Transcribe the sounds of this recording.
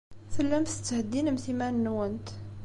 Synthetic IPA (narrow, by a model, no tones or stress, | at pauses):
θəlːæmθət͡s̪ːhəd̪ːinəmθimænːwənt̪